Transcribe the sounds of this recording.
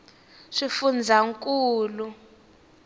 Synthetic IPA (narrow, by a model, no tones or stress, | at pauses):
ʂifund͡zʱaŋkʼuːlu